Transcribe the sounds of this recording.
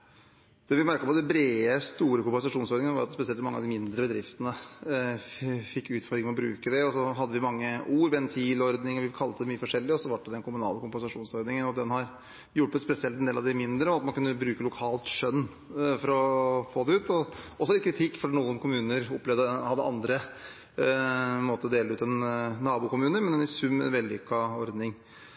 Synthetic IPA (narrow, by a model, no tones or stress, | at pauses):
d̪̥ɛːʋɪmæɾkəɔpɔd̪ɛbɾeːəst̪uːɾəkʊmpɛnsɑʂuːnsɔɾd̪ɪŋənəʋɑɾɑt̪spɛsɪɛlt̪mɑŋːɑd̪ɪmɪnd̪ɾəbəd̪ɾɪft̪ənə | fɪkːʉːt̪fɔɾɪŋmɛɔbɾʉ̰ːkəd̪ɛɔsɔɦɑd̪ːəʋɪmɑŋːəuːɾʋɛnt̪ʰiːlɔɾd̪nɪŋɔʋɪkʰɑlt̪ːəd̪ɛmyːəfɔʂɛlːɪɔsɔʋɑʈ̚ɖ̪ɛd̪ɛnkʊmʉnɑ̰ːləkʰʊmpɛnsɑʂuːnsɔɾd̪nɪŋənɔd̪ɛnhɑɾ | jʊʈːət̪spɛsɪɛlt̪ɛnd̪eːlɑʋd̪ɪmɪnd̪ɾəɔɑt̪mɑnkʉnːəbɾʉːkəlʊkʰɑːlt̪ʂœnː | fɔɾɔfoːd̪ɛʉːt̪ɔɔsɔlɪt̪kʰɾɪt̪ʰɪkːfɔɾɖinuːənkʰʊmʉːnəɾɔpːlɛʋd̪əhɑd̪ːə̰ʔɑ̰nd̪ɾə | moːt̪əɔd̪eːlʉːt̪ɛnːɑːbuːkʊmʉːnəɾmɛnd̪ɛnɪsʉmːɛ̰nʋɛld̪ɪʏkːɑɔɾd̪nɪŋ